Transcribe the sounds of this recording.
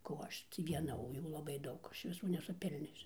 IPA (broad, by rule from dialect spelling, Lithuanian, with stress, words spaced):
koː ˈɐʃ ˈtʲiː ʋʲiɛˈnɐ oː ˈjuː lˠɐˈbɐɪ ˈdɐʊk ˈɐʃ ʋʲɪˈsuː nʲɛsʊˈpʲɪlʲnʲoːsʲʊ